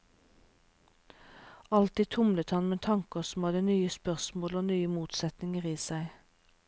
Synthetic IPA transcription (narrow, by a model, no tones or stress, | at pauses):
ɑlt̪iːt̪ʰʊmlət̪hɑnmeːt̪ʰɑŋkəʁsm̩hɑd̪ənyːəspœʁsmoːloːnyːəmuːt̪sɛt̪nɪŋəʁiːsæɪ